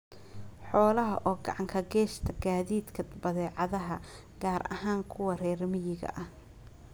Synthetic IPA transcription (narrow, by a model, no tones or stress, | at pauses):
ħɔːlɐɦɐ̰ʔɔːɡɑʕɑŋkʰɐɡɛːʃt̪ʰɐɡaːðiːd̪kʰɐbɐðɛːʕɑðɐɦɐ̰ | ɡ̥aːɾɐ̰ɦaːŋkʰʊwɐrɛːrmɪjɪɣɐ̰ʔɐh